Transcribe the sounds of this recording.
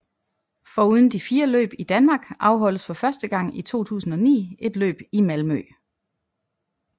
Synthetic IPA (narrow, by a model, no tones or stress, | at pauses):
fɒ̽uð̞ˠn̩d̥ifiːɐlø̰ːb̥id̥ænmɑ̈ːɡ̥ʔɑ̈ʊɦɒ̽l̰əsfɒ̽fɶɐsd̥əɡ̥ɑ̈ŋ̰it͡sʰo̝̰ːt͡sʰṵːsn̩ɒ̽nḭːe̝d̥lø̰ːb̥imælmø̰